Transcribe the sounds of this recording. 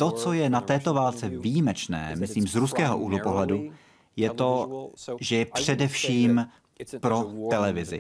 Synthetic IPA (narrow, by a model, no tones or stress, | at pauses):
t̪o̞t͡so̞jɛnat̪ɛːt̪o̞vaːlt͡sɛvijimɛt͡ʃnɛ̰ːmɪsliːmzɾuskɛːɦoʔuɦlopo̞ɦlɛdu | jɛt̪o̞ʒɛjɛpr̝̥ɛdɛfʃiːm | pɾo̞t̪ɛlɛvɪzɪ̰